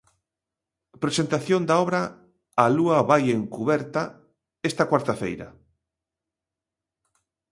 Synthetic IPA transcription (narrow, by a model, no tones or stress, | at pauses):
pɾesent̪aθjond̪aɔβɾɐː | luɐβajeŋkuβɛɾt̪ɐ | ɛst̪ɐkwaɾt̪afḛjɾɐ̰